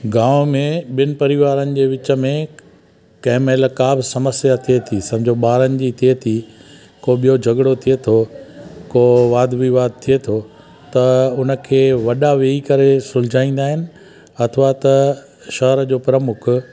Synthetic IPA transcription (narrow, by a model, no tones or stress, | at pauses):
ɡãːʋmẽɓɪnɪ̆pɐɾɪʋaːɾənɪ̆d͡ʑeːʋɪt͡ɕə̆mẽ | kɐ̃ɦɪ̃meːlkaːbɪsɐməsjat̪ʰiet̪ʰisɐ̃bd͡ʑʱoɓaːɾənɪ̆d͡ʑit̪ʰiet̪ʰi | koɓijod͡ʑʱɐɡɽot̪ʰiet̪ʰokoːʋaːd̪ʋiʋaːd̪̚t̪ʰiet̪ʰo | t̪ɐʊnə̆kʰeːʋɐɗaʋeikɐɾesʊld͡ʑaːĩːn̆d̪aːɦɪnɪ̆ | ɐt̪ʰəʋat̪ɐ | ʃɐɦəɾəd͡ʑoːpɾəmʊkʰʊ